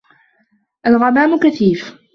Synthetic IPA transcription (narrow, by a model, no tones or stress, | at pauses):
ʔalɣanaːmʊkaθiːf